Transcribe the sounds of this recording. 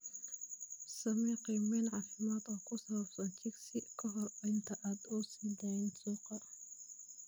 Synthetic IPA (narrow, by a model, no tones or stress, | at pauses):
sɐmɛqimɛːnʕɑːfɪmaːd̪ɔːkʰʊsɐβɐbsɐnt͡ʃʰɪksɪkʰɔɦɔrɐɪnt̪ʰɐʔaːd̪ɔːsid̪ɛnsuːqɑ